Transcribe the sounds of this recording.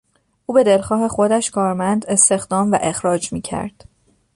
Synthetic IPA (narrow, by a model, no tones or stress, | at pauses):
ʔuːbe̞d̪e̞lxɒːhe̞xo̞d̪æʃkʰɒːɾmænd̪e̞st̪e̞xd̪ɒːmvæ̰ʔe̞xɾɒːd͡ʒmiːcʰæ̰ɾd̪̥